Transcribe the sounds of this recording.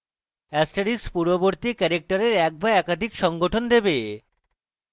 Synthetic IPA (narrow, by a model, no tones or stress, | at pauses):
ɛsʈaɾikspuɾoboɾt̪ikɛɾek̚ʈaɾeɾɛk̚baɛkad̪ʱikʃɔŋɡoʈʰond̪ebe